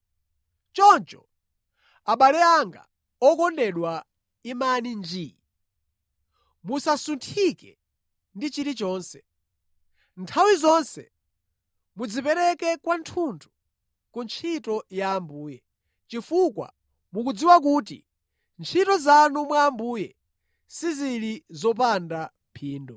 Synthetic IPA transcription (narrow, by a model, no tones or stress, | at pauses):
t͡ʃɔnt͡ʃɔ̰ | aɓalɛaŋɡa̰ | ɔkɔndɛɗwa | imanind͡ʒiːi | musasuntʰikɛ̰ | ndit͡ʃiɾit͡ʃɔːnsɛ̥ | ntʰawizɔnsɛ̰ | mud͡zipɛɾɛkɛkwantʰuntʰu̥ | kunt͡ʃʰitɔjaːmbuːjɛ | t͡ʃifukwa̰ | muk̬ud͡ziwak̬uːt̬ḭ | nt͡ʃʰitɔzanumwaːmbuːjɛ | siziɾizɔpandampʰiːndɔ